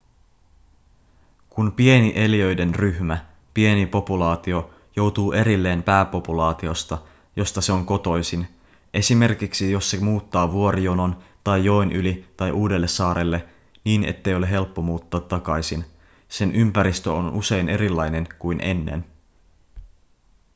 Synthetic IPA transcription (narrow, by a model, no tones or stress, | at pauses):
kunpie̞niʔe̞lijøjde̞nryhmæ | pie̞nipo̞pulɑːt̪io̞ | jo̞wt̪uːʔe̞ɾilːe̞ːmpæːpo̞pulɑːt̪io̞st̪ɑ | jo̞st̪ɑse̞o̞ŋko̞t̪o̞jsin | ʔe̞sime̞rkiksijo̞sːemuːt̪ːɑːʋuo̞ɾijonont̪ɑjːo̞enʔylit̪ɑjʔuːde̞lːe̞sːɑːɾe̞lːe̞ | niːnḛt̪ːe̞jole̞ɦe̞lpːo̞muːt̪ːɑːt̪ːɑkɑjsin | se̞nʔympæɾist̪øonʔṵse̞jne̞ɾilːɑjne̞nkujnʔe̞̰nːḛn